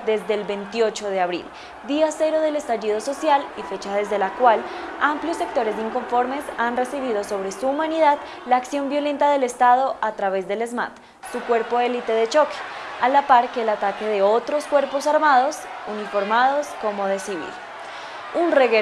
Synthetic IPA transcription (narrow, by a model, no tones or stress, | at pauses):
d̪e̞zd̪e̞ːlbe̞nt̪jo̞t͡ʃo̞ð̞e̞aβɾḭl | d̪iase̞ɾo̞ð̞e̞le̞st̪aʝið̞o̞so̞sjalife̞t͡ʃaðe̞zðe̞lakwalampljo̞sːek̚t̪o̞ɾe̞s̬iŋko̞ɱfo̞ɾme̞sanre̞siβiðo̞so̞βɾe̞suːmaniðað | laːksjo̞mbjo̞lẽ̞nt̪aðe̞le̞st̪að̞o̞ʔat̪ɾaβe̞zd̪e̞le̞zma̰t̪ | sukwe̞ɾpo̞e̞lit̪e̞ðe̞t͡ʃo̞ke̥alapaɾkeːlat̪ake̞ðe̞o̞t̪ɾo̞skwe̞ɾpo̞saɾmað̞o̞s | unifo̞ɾmaðo̞sko̞mo̞ð̞e̞siβḭl | unreɣe